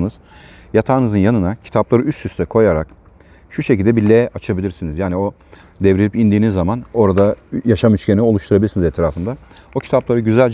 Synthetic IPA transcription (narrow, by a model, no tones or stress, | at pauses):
nɯz̥ | jat̪ʰaːnɯzɯnjanɯnacʰi̥t̪ʰaplˠaɾɯyst̪ʰːyst̪ʰɛkʰo̞jaɾa̰k | ʃuʃecilʲd̪ɛbilʲɛʔat͡ʃʰabilʲiɾsinizjaːnio̞ | d̪ɛvɾilʲipind̪iːnizːamano̞ɾad̪ajaʃamyt͡ʃcʰʲeno̞lˠuʃt̪ʰuɾabilʲiɾsinizɛt̪ʰɾaːfɯnd̪a | ocʰi̥t̪ʰaplˠaɾɯɟyzælʲd͡ʒ